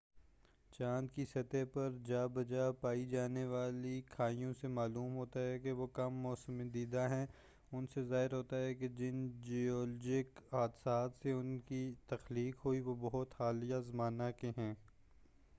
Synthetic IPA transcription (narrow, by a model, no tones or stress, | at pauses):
t͡ʃãːnd̪kisɐt̪epɐɾd͡ʒaːbɐd͡ʒapaːid͡ʒaːneʋaːlikʰaːijõsemaːluːmɦoːt̪aɦɛkeʋokɐmːɔːsəmẽd̪iːd̪aɦɛ̃ː | ʊnsezaːɦɪɾɦoːt̪aɦɛked͡ʒɪnd͡ʒiɔːlːd͡ʒɪkaːd̪saːt̪seʊnkit̪ɐxliːkɦoiʋobɐɦʊt̪haːlijazɐmaːnakeɦɛ̃ː